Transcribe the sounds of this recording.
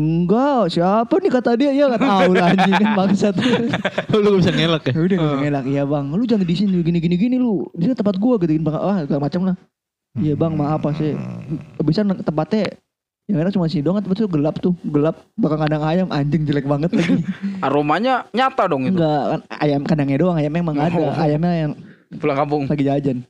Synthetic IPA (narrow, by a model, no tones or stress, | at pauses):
əŋɡasiapanɪkat̪adiajaŋanaʊlaɲd͡ʒəŋanbaŋt̪sat̪uluɡabisaŋelakidəbisaŋelakjabaŋlud͡ʒaŋdisɪnɡiniɡiniɡinilubisant̪əmpat̪̚ɡuaɡit̪uɡinibaa̰waɡəamat͡ʃamlah | ijabaŋmaːpasɪ | bisant̪əmpat̪ɛ | jaŋedaŋt͡ʃumas̬indoŋant̪əpat̪ʊɡəlap̚t̪ʊɡəlap̚bakaŋkadaŋajamʔaɲd͡ʒəŋd͡ʒəlɛk̚baŋət̪laɡiaɾomaɲaɲat̪adɔŋiŋɡakana̰jamkadaŋadoŋajamamaŋadaajamɲajaŋ | pulaŋkampʊŋlaɡid͡ʒad͡ʒan